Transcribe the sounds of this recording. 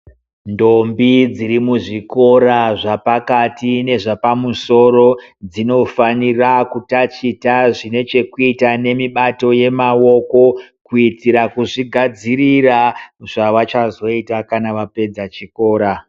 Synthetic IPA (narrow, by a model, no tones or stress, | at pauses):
ndo̞mbid͡zirimuʐiko̞ɾaʐapakatine̞ʐapamuso̞ɾo̞d͡zino̞fanirakutat͡ʃitaʐine̞t͡ʃe̞kuitane̞miɓato̞je̞mawo̞ko̞kuitiɾakuʐiɡʱad͡ziriraʐaʋat͡ʃazo̞itakanaʋape̞d͡zat͡ʃiko̞ːɾa